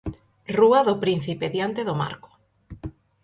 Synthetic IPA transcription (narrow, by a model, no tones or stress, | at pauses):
ruaðopɾin̟θipeðjant̪eðoma̰ɾko̥